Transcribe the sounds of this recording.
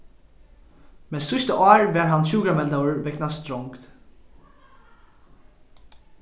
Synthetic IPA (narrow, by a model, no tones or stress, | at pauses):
meːsʏst̪əʔɑːɹʋæːɹɦɑnçʉːɡɹɑmɛld̪əəɹʋɛknast̪ɾɔŋkt̪